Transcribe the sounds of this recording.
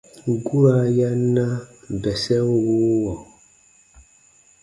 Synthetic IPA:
ɡu˦ɾa˨ja˦na˦˨bɛ˨sɛ˦o˦wu˦wɔ˨

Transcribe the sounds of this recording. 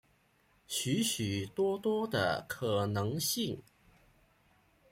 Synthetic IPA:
ɕy˧˥ɕy˨˩t̪wɔ˥t̪wɔ˥d̪ə̰˨kʰɤ˨˩nɤ˧˥ŋɕi˥˩ŋ

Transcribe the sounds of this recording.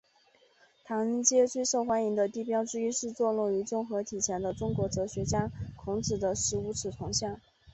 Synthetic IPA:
t̪ʰɑ˧˥ŋə˥nt͡ɕjɛ˥t͡swe˥˧ɪʂo˥˩ʊxwa˥ni˧˥ŋd̪ə˧t̪i˥˩pjɑ˥ʊʈ͡ʂɻ̩˥y˥ʂɻ̩˥˧t͡swɔ˥˧lu˥˩ŋy˧˥ʈ͡ʂʊ˥ŋxɤ˧˥t̪ʰi˨˩t͡ɕʰjɛ˧˥nd̪ə˧ʈ͡ʂʊ˥ŋkwɔ˧˥ʈ͡ʂɤ˧˥ɕɥɛ˧˥t͡ɕja˥kʰʊ˧˥ŋʈ͡ʂɻ̩˨˩d̪ə˦ʂɻ̩˧˥u˧˥ʈ͡ʂʰɻ̩˨˩t̪ʰʊ˧˥ŋɕjɑ˥˩ŋ

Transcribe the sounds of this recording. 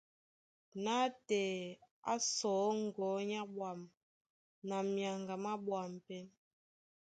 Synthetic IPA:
na˦tɛ˨a̰˦sɔ˨˦ŋ̩˨ɡɔ˨˦ɲa˦bwa˨m | na˨mja˨ŋɡa˨ma˦bwa˨m˨pɛ˦n

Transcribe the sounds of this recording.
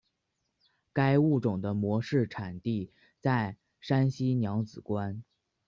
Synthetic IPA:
ka˥ɪu˥˩ʈ͡ʂʊ˨˩ŋd̪ə˦mwɔ˧˥ʂɻ̩˥˩ʈ͡ʂʰa˨˩nt̪i˥˧ | t͡sa˥˩ɪ | ʂa˥nɕi˥njɑ˧˥ŋt͡sɹ̩˨˩kwa˥n

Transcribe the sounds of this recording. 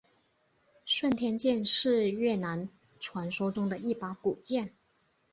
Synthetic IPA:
ʂwə˥˩nt̪ʰjɛ˥nt͡ɕjɛ˥˧nʂɻ̩˥˧ɥɛ˥˩na˧˥n | ʈ͡ʂʰwa˧˥nʂo˥ʊʈ͡ʂʊ˥ŋd̪ə˨i˥˩pa˧˥ku˨˩t͡ɕjɛ˥˩n

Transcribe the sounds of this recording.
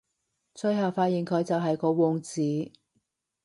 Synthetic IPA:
t͡sɵ˧ɥɦɐ˨wfaː˧t̚jiː˨nkʰɵ˨˧ɥt͡sɐ˨wɦɐ˨jkɔː˨˧˥wɔː˨˧ŋt͡siː˨˥

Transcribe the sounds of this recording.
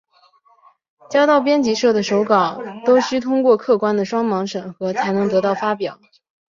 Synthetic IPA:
t͡ɕjɑ˥t̪ɑ˥˩ʊpjɛ˥nt͡ɕi˧˥ʂɤ˥˩d̪ə˩ʂo˧˥ʊkɑ˨˩˦ʊt̪o˥ʊɕy˥t̪ʰʊ˥ŋkwɔ˥˧kʰɤ˥˩kwa˥nd̪ə˨ʂwɑ˥ŋmɑ˧˥ŋʂɤ˨˩ŋxɤ˧˥t͡sʰa˧˥ɪnɤ˧˥ŋt̪ɤ˧˥t̪ɑ˥˩ʊfa˥pjɑ˨˩˦ʊ

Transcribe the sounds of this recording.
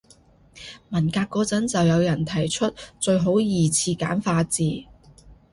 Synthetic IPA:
mɐ˨˩nkaː˧kːɔː˨˧t͡sɐ˨˥nt͡sɐ˨wjɐ˨˧wjɐ˨˩nt̪ʰɐ˨˩jt͡ʃʰɵ˥t̚t͡ʃɵ˧ɥɦo˨˥wjiː˨˩t͡sʰiː˧ka̰ː˨˥nfaː˧t͡siː˨

